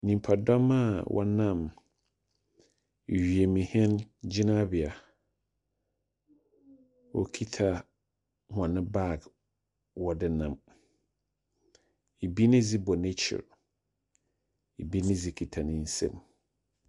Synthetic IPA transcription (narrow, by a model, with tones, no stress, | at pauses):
nĩ˨m˨pʰa˨dɔ˦mã˦˨wʔɔ̰˦nã˦˨m˨ | ɥi˨e˨mĩ˨hɛ̃˦nd͡ʑɪ˦nã˦bɪ˨a˨ | wɔ̰˨kʰi˦tʰa˨ | hʊ˨ã˨nɪ̃˦ba˦˨ɡ | wɔ˨dɪ˦nã˨m | e˨bi˦nɪ̃˦d͡zi˦bɔ˨ne˦t͡ɕʰɪ̰˨ɾ | e˨bi˦nɪ̃˦d͡zi˦kʰi˨tʰa˨nɪ̃˦n̩˦sɛ̰̃˦˨m